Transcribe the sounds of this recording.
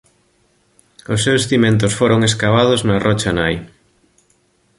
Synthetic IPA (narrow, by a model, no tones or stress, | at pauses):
ʊsːewsθimẽnt̪̬ʊsfoɾoŋeskaβað̞ʊznɐrɔt͡ʃanaj